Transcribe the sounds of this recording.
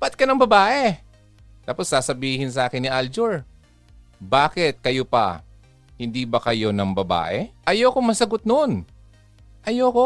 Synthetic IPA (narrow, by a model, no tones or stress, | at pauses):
pɐt̪̚kɐnɐŋbɐbaːʔɛ | t̪aːpo̞sːaːsɐbiːhɪnsɐʔaːkɪnːɪʔald͡ʒoɹ | baːkɪt̪̚kɐjopɐ̰ | hɪnd̪iːbɐkɐjo̞nɐŋbɐba̰ːʔɛʔɐjoːkoŋmɐsɐɡot̪̚non | ʔɐjoko